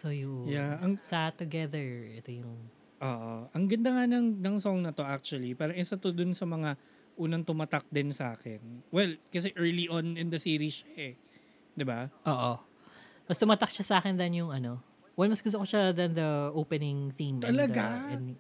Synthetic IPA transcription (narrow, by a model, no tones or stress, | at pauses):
sojuʔjaʔɐŋsat̪ːʊɡɛðɛɹɛt̪ojʊŋ | ʔoːʔoʔɐŋɡɐnd̪ɐŋanɐŋnɐŋsoŋnɐt̪o̞ʔak̚t͡ʃuɐlipaːɾɐŋʔɛsɐt̪od̪ʊnsɐmɐŋa | ʔuːnɐŋt̪ʊmat̪ɐk̚d̪ɪnsɐʔaːkɛnwɛlkɐs̬ɛʔɛɹliʔonɪnd̪ɐsiːɾiʃaʔɛ | d̪ɪbaʔoːʔo | mɐst̪ʊmat̪ɐk̚ʃasaːkɛnd̪ɐnjʊŋʔɐno̞ | wɐnmɐsɡʊs̬t̪okoʃad̪ɐnd̪ɐʔoːpɛnɪŋθĩmt̪ɐlɐɡaɛn